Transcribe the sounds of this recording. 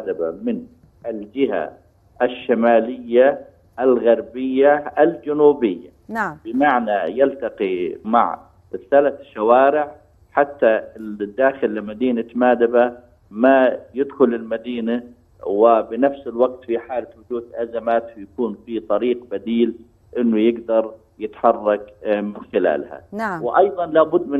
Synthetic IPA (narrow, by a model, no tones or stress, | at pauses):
d̪abamɪn | ʔɪld͡ʒɪɦa̰ | ʔaʃːamaːlɪjːa | ʔalɣɑɾˤbɪjːaʔald͡ʒanuːbɪjːa̰bɪmaʕnajalt̪ɑqima̰ʕ | ɾɪsaːlaθʃːawaːɾɪʕ | ħat̪ːad̪ːaːxɪlːɪmad̪iːnamaːd̪aba | majɪd̪xʊlɪlmad̪iːna | wɪbɪnafsɪlwaɡ̚t̪fiħaːlawʊd͡ʒuːd̪ʔazamaːt̪jakuːnfit̪ˤɑɾiːqbad̪iːl | ʔɪnːʊjɪɡd̪ɑɾˤ | jɪt̪ħɑrˤːɑkmɪnxɪla̰ːlha̰wɪʔɑjðˤɑnlaːbʊd̪ːmɪ